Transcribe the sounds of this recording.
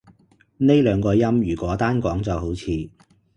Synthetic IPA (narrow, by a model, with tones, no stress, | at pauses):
ne˥jlœː˨˧ŋkɔː˧jɐ˥mjyː˨˩kɔː˨˥t̪aː˥nkɔː˨˥ŋt͡sɔː˨˩ɦo˨˥wt͡sʰiː˨˧